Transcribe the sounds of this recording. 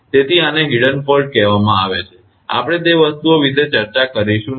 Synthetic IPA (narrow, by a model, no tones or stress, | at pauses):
t̪et̪ʰianeɡiɽənpolʈ̚kɛɦʋamãaʋet͡ʃʰe | a̰pəɽ̃et̪eʋəst̪uoʋid̪et͡ʃəɾt͡ʃakəɾiʃũ